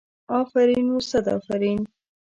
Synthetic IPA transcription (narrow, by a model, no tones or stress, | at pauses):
ɑːfaɾinusad̪ɑ̰ːfaɾin